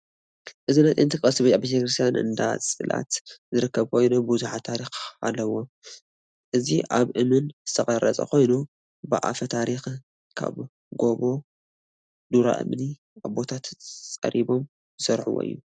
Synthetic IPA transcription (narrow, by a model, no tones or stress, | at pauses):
ʔɨzinajt̪ʼejnt̪ɨkʼɐsɨβɐabet̪ʰekɾɨst̪ʰjanɨ̰nd̪at͡sʼɨla̰t̪zɨɾɨkːɐβkʰo̞jnubʊzuħat̪ʰːaɾixa̰lːɐwo̞ | ʔɨziʔaβʔɨmɨnzɨt̪ʰɐχʼɐɾɐt͡sʼɐ̰ko̞jnu | baʔa̰fɐt̪ʰaɾix | kʰa̰β | ɡo̞βo̞ | d̪uɾa̰ʔɨ̰mni | aβbo̞t̪ʰat̪t͡sʼɐ̰ɾʔibo̞m | zɨsɐɾħṵwo̰ʔɨ̰jːu